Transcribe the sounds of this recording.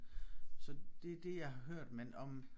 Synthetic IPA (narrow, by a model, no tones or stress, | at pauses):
sɒ̽d̥e̝d̥e̝jɑ̈ɪɦɑ̈ɦøɐ̰d̥menɒ̽m